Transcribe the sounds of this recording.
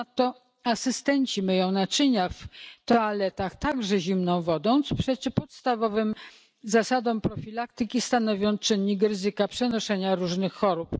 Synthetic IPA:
t̪ːɔ | asɘst̪ɛɲt͡ɕimajɔ̃w̃nat͡ʂɘɲaft̪ɔalɛt̪axt̪aɡʐɛʑimnɔ̃w̃vɔd̪ɔ̃w̃t̪sɔ̥pʂɛt͡ɕɘpɔt̪st̪avɔvɘm | zasad̪ɔ̃m̃pɾɔfʲilakt̪ɘkʲist̪anɔvʲjɔnt͡ʂɘɲːikɾɘzɘkapʂɛnɔʂɛɲaɾuʐnɘxːɔɾup

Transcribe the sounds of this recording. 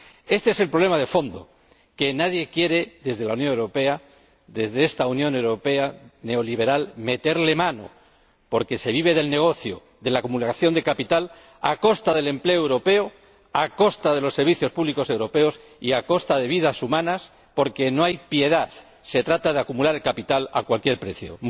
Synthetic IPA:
e̞st̪e̞eselpɾole̞mað̞e̞fo̞nd̪o̞̰ | ke̞naðje̞kje̞ɾe̞ðe̞zð̞e̞launjo̞newɾo̞pe̞a | ðe̞zðeest̪aunjõ̞newɾo̞pe̞ane̞o̞liβ̞e̞ɾalme̞t̪e̞ɾle̞mãno̞̰ | po̞ɾke̞se̞β̞iβe̞ðe̞lne̞ɣ̞o̞θjo̰ | ðe̞lakumulaθjo̞nd̪e̞kapit̪al | ako̞st̪aðe̞le̞mple̞oewɾo̞pe̞o | ako̞st̪aðe̞lo̞sːe̞ɾβiθjo̞spuβliko̞se̞wɾo̞pe̞o̞s | iako̞st̪að̞e̞β̞iðasumãnas | po̞ɾke̞no̞ajpje̞ðaθ | se̞t̪ɾat̪að̞e̞akumulaɾelkapit̪ala̰kwalkje̞ɾpɾe̞θjo̞̰

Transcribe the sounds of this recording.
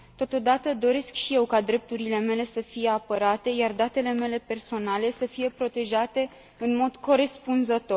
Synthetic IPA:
t̪o̞t̪o̞d̪at̪əd̪o̞ɾe̞skʃije̞wkad̪ɾe̞p̚t̪uɾile̞me̞le̞səfije̞apəɾat̪e̞jard̪at̪e̞le̞me̞le̞pe̞rso̞nale̞səfije̞pɾo̞t̪e̞ʒat̪e̞ | ɨnmo̞d̪ko̞ɾe̞spunzət̪o̞r

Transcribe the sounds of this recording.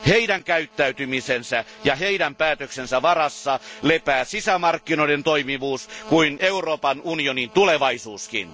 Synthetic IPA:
heidæŋkæyt̪ːæyt̪ymisensæjɑheidæmpæːt̪øksensæʋɑrɑsːɑlepæːsisæmɑrkːinoident̪oimiʋuːskuineuroːpɑnunionint̪uleʋɑisuːskḭn

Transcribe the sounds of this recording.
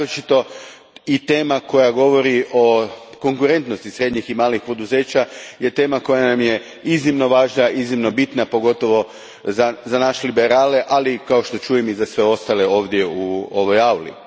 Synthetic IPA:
ɾot͡ʃit̪o̞ | it̪e̞ːmako̞jaɡo̞ʋo̞ɾiʔo̞ko̞ŋkuɾe̞nt̪no̞st̪isɾe̞d̪ɲiximaːlixpo̞d̪uze̞ːt͡ɕaje̞t̪e̞ːmako̞janamje̞ | iznimno̞ʋaːʒnaʔiznimno̞bit̪napo̞ɡo̞t̪o̞ʋo̞ | zazanaʃelibe̞ɾaːle̞ʔalikao̞ʃt̪o̞t͡ʃuːjemizasʋe̞o̞st̪ale̞o̞ːʋd̪je̞uo̞ʋo̞jawlḭ

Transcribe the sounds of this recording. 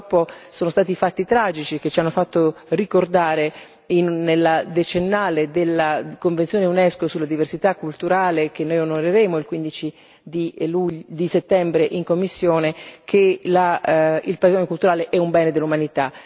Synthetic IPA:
pːosoːnost̪aːt̪ifat̪ːit̪ɾaːd͡ʒit͡ʃik̟et͡ʃːianːofat̪ːorikord̪aːɾe | inːelːad̪et͡ʃenːaːled̪elːakoɱvẽnsjoːneunɛskosulad̪iversit̪akːult̪uɾaːlek̟enːoːjonoɾeɾeːmoilkwind̪it͡ʃi | d̪ilud̪iset̪ːɛmbɾeʔiŋkomːisːjoːnek̟ʰelailpɾaizɔɲokult̪uɾaːleʔɛumbɛːned̪elːumanit̪a

